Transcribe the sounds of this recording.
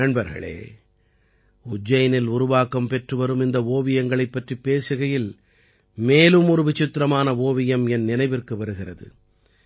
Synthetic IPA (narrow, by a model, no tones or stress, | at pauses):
ɐɳbɐɾɣɐ̰ɭḛː | ʊd͡ʒːɐjɐnɪlʊɾʊʋaːkɐmpɛʈrɯʋɐɾɯmɪnd̪ɐoːʋɪjɐŋɡɐɭɐɪpːɐʈripːeːsɯɣɐjɪl | meːlɯmʊɾɯʋɪt͡ʃːɪt̪ːɾɐmaːnɐʋoːʋɪjɐmɛnːɪnɐɪʋɪrkɯʋɐɾɯɣɪrɐðɯ̰